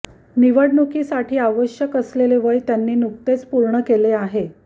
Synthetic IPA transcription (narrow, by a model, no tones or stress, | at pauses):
niʋəɽnukiːsaʈʰiːaʋəɕjəkəsleleʋəɭjt̪janːiːnuk̚t̪et͡spuɾɳəkeleaɦe